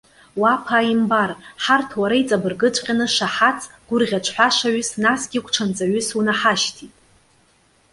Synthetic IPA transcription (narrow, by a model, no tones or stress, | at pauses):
wapʰaːimbarħartʰwaɾajt͡sʼabɨrɡɨt͡ʃʷʼqʲʼanɨʂaħat͡sʰʼɡ̥ʷʊrʁʲat͡ʃʷʰħʷaʂaɥʏsnasɡʲikʷʰʼʈ͡ʂʰant͡sʼaɥʏsunaħaʃtʰitʼ